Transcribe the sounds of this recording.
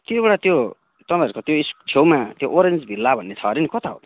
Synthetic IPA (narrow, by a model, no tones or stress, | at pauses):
t̪jobʌɽat̪jo | t̪ʌnʌʌɾkot̪joist͡ʃʰewmat̪joʔoɾend͡zbʱilːabʱʌnːet͡sʰʌɾinikʌt̪aɦo̰